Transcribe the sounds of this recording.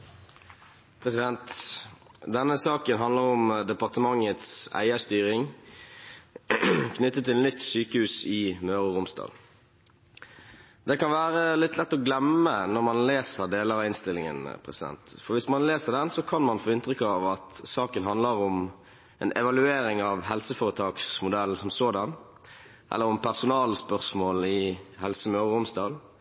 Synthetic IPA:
pʰʁɛsɪd̪ɛnt̪ | d̪ɛnːəsɑːkənɦɑnd̪ləʁʊmd̪ɛpɑʁt̪əmɑŋːət̪sæ̰ɪəst̪yːʁɪŋ | kʰnʏt̪ːət̪ʰːɪlnʏt̪ːsyːkəhʉːsɪmøːʁəʁʊmst̪ɑ̰ːd̪ | d̪ɛkɑnʋæːʁəlɪt̪lɛt̪ːɔɡlɛmənɔʁmɑnleːsəʁd̪eːləʁɑɪnst̪ɪlːɪŋə̰npʰʁɛsɪd̪ɛ̰nt̪fɔʁʋɪsmɑnleːsəʁd̪ɛnsɔkʰɑnmɑnfoːɪnt̪ʁʏkɑʋɑt̪sɑːkənɦɑnd̪ləʁʊm | ʔɛnʔɛʋɑlʉeːɾɪŋɑʋhɛlsəfoːʁət̪ʰɑːksmʊd̪ɛlsɔmsoːd̪ɑn | ʔɛ̰lːəʁɔmpʰæʁsʊnɑːlspœʁsmoːlɪhɛlsəmøːʁəʁʊmsd̪ɑːl

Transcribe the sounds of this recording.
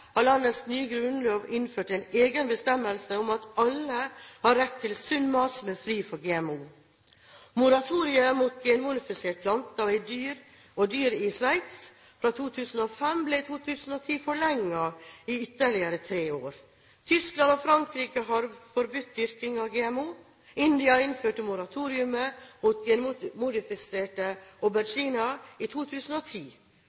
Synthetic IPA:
hɑɭɑnːəsnyːɡɾʉnloːʋɪnføːʈæɪneːɡənbəst̪ɛmːəlsəʊmɑt̪ɑləhɑɾɛt̪ʰːɪlsʉnmɑːsmɛfɾiːfɔɾɡeːɛmuː | mʊɾɑt̪ʰuːɾɪəmuːt̪̚ɡenuʊnɪfɪseːʈ̚pʰlɑnt̪ɑɪd̪yːɾ | ɔd̪yːɾɪsʋæɪt̪s | fɾɑːt̪ʰuːt̪ʰʉːsn̩oːfɛmbleːt̪ʰuːt̪ʰʉːsn̩oːt̪ʰiːfɔɭɛŋːɑiːʏt̪ːəɭɪəɾət̪ʰɾeːoːɾ | t̪ʰʏsklɑnoːfɾɑŋkɾiːkəɦɑɾfɔɾbʉt̪̚d̪ʏɾkɪŋɑʋɡeːɛmuː | ɪnd̪ɪɑɪnføːʈəmʊɾɑt̪ʰuːɾɪʉməmut̪̚ɡɛnmʊd̪ɪfɪseːʈəɔbæɾd͡ʒiːnɑiːt̪ʰuːt̪ʰʉːsn̩oːt̪ʰiː

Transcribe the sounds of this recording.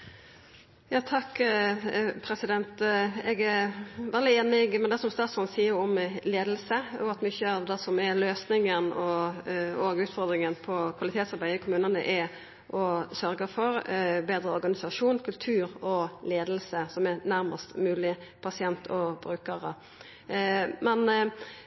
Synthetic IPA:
jɑːt̪ʰɑkː | pʰɾɛsɪd̪ɛnt̪ɛɡæʋɛld̪ɪeːnɪɡmɛnd̪ɛsɔmst̪ɑːt̪sɔnsiːəɾɔmleːd̪lsəɔɑt̪mʏçəɑʋd̪ɛsɔmɛløːsnɪŋənɔ | ɔɡʉːt̪fɔɾd̪ɾɪŋənpʰɔkʰʋɑlɪt̪ʰeːt̪sɑɾbæɪɪkʰʊmʉːnənə̰ʔɛ | ʔɔsœɾɡəfɔɾbeːd̪ɾəɔɾɡɑnɪsɑʂuːnkʰʉlt̪ʰʉːɾɔleːd̪əlsəsɔmɛɾnæɾməst̪mʉːlɪpʰɑsɪɛnt̪ʰɔbɾʉːkəɾə | mɛn

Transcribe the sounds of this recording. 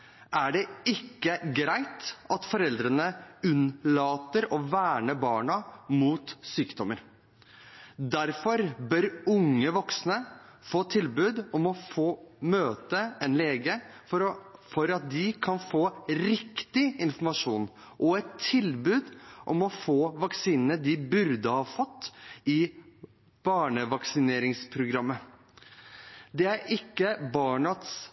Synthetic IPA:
ʔæɖɛɪkːəɡɾæɪt̪ɑt̪fɔɾɛld̪ɾənəʉnlɑːt̪əɾɔʋæːɳəbɑːɳɑmuːt̪syːkd̪ɔməɾ | d̪æɾfɔɾbœɾʊŋːəʋɔksnə | foːt̪ʰɪlbʉːd̪ɔmɔfoːmøːt̪əɛnleːɡə | fɔɾɑt̪̚d̪ɪkʰɑnfoːɾɪkt̪ɪɪnfɔɾmɑʂuːn | ʔɔɛt̪ʰːɪlbʉːd̪ʔɔmɔfoːʋɑksiːnənəd̪ɪbʉɾd̪əhɑːfɔt̪ːɪ | b̥ɑːɳəʋɑksɪneːɾɪŋspʰɾʊɡɾɑmːə | d̪ɛæɾʔɪkːəbɑːɳɑt̪s

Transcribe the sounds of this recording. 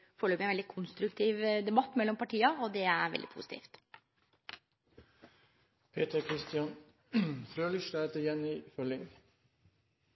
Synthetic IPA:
fɔɭøːpɪɛnɛlɪkʰʊnst̪ɾʉkt̪ʰiːʋd̪ɛbɑt̪ːmɛlːɔmpʰɑʈʰiːɑoːd̪ɛæɾʋɛ̰ld̪ɪ̰pʰṵsɪ̥t̪ʰḭːft̪ | pʰeːt̪əɾkʰɾɪst̪ɪɑn | fɾøːlɪʃlæːt̪əjɛniːfœlɪŋ

